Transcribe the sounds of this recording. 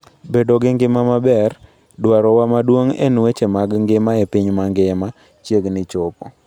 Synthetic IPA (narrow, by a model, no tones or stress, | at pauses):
bedoɡɪŋɡɪmamabɛr | dwaɾɔwamadwoŋḛnwet͡ʃemaɡŋɡɪmaepiɲmaŋɡɪma | t͡ʃjeɡnɪt͡ʃopo